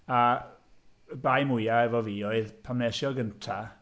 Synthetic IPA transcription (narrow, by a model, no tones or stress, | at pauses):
a | bajmʊjaɛvɔviːoɨðpʰamnɛsjɔɡəntʰa